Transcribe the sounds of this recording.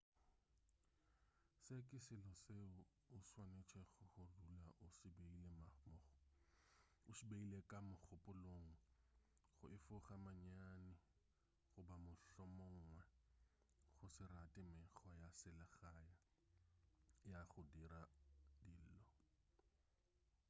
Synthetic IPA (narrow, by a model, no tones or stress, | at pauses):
sekʼɪsɪlɔseʊ | ʊswanet͡ʃʰɛɣʊχʊdulaʔʊsɪbeilɛm | ʊsibeilekʼamʊk͡xʊpʼʊloŋ̩ | χʊɪfʊχamaɲanɪ | χʊbamʊɬɔmɔŋ̩ŋwɛ | χʊsɪratʼɪmɪχɔjasɪlaɣaja | jaχʊdiɾadiːl̩lɔ